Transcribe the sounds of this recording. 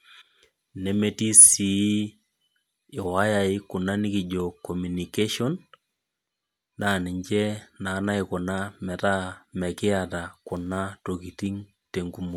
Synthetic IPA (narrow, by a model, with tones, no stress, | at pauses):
ne˨me˦ti˦si˨˦ | ɪ˨wa˦ja˨ɪ˦kʊ˨na˦ni˦ki˨d͡ʒo˨kːɔ˨mu˨ni˨ke˦ʃɔ˦n | a˨nɪ˨ɲt͡ʃɛ˦na˨˦na˦ɪkʊ˨na˦mɛ˨ta˦mɛ˨kɪ˦ata˨kʊ˨na˦to˨ki˨ti˦ŋ | te˨ŋɡu˦mo˨